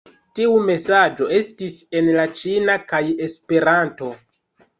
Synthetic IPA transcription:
tiume̞sad͡ʒo̞e̞stise̞nlat͡ʃinakaje̞spe̞ɾanto̞

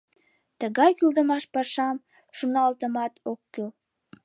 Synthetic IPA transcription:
t̪əɣɑjkyld̪əmɑʃpɑʃɑm | ʃunɑlt̪əmɑt̪okːyl

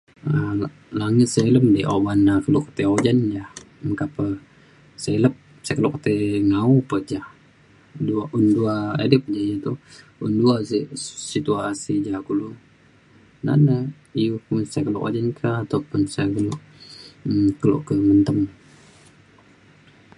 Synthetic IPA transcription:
ə | laŋɪt̪̚sailəmdeʔo̰banakəluʔkə̥t̪eod͡ʒand͡ʒah | məkapə | saləp̚ | sajkəlʊʔkət̪ɛŋaupəd͡ʒah | duaʔunduaḛdəpəd͡ʒaɲat̪u | unduasisit̪uasid͡ʒakulu | na̰nə | ijukunsajkəlo̰ʔo̰d͡ʒankʰaːt̪apʊnsaɡəlʊʔ | kəlo̰ʔkəmənt̪əm

